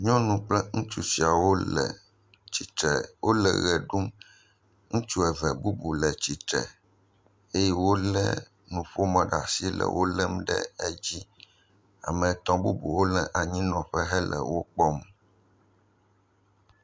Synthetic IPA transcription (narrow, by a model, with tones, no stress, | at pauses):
ɲɔ̃˦nũ˨k͡plɛ˦ŋũ˦t͡ʃu˦si˨a˨wo˦ɛ˨ | t͡ɕi˨t̪ɾɛ˨wʔo˦lɛ˨ɣɛ˨ɖu˦m | ŋũ˦t͡ʃu˦ɛ˨vɛ˨bu˦bu˨lɛ˨t͡ɕi˨t̪ɾɛ̰˨ | e˦jɛ˦wo˦lɛ˦ | nũ˨ɸo˦mɛ̃˨ɖa˨si˦lɛ̰˨wo˦lɛ˦mɖɛ̰˦ɛ˦d͡ʑi˦ | a̰˨mɛ̃˨t̪ɔ̃˦bu˦bṵ˨wo˦lɛ˨ʔa˨ɲĩ˦nɔ̃˨ɸɛ˦ɦɛ˦lɛ̰˨wo˦k͡pɔ˦m˨